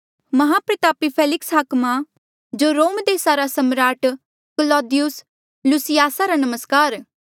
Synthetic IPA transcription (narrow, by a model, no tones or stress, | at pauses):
mɐɦapɾɪt̪aːpipʰeːlɪksɦaːkma | d͡ʒoːɾoːmd̪eːsaɾasɐmɾaːʈ | kəlɔːd̪ɪjʊs | lusɪjaːsaɾanɐməskaːɾ